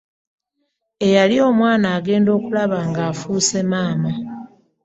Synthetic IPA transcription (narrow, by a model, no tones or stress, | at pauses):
e̞jalio̞ːmwaːnaːɡe̞ːndo̞ːkulaβaːŋɡaːfuːse̞maːma